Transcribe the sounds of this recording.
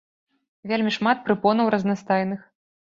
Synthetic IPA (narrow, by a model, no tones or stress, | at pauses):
vʲelʲmʲiʂmat̪̚pɾɨpɔnɐwɾɐznast̪ajnɨx